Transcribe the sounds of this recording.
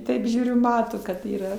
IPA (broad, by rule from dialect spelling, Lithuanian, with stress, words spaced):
ˈtɐɪp ˈʒʲuːrʲʊ ˈmɑːtoː kɐt iːˈrɐ